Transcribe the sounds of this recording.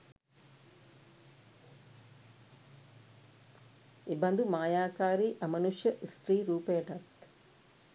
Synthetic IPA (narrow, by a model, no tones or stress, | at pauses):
ibɐnd̪umaːjaːkaːɾiʔɐmɐnuʂjɐʔisʈɾiːɾuːpeːʈɐt̪